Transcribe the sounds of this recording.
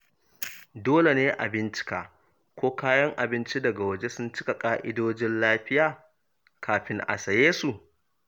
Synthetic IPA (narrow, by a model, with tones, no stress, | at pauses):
doː˦le˨neː˦ʔa̰˨bɪ˦nt͡ʃɪ̥˦kaː˨ | kʷoː˦kaː˦jɐ˦ŋʔa˨bɪ˦nt͡ʃi˦dɐ˨ɡa˨wɐ˨d͡ʒe˦sʊ˦nt͡ʃɪ˦ka˨kʼaː˦ʔɪ˦doː˦d͡ʒɪ˦nlaː˦ɸɪ˦jaː˨ | kʰaː˨ɸɪ˦ŋʔa̰˨sɐ˨jeː˦su˨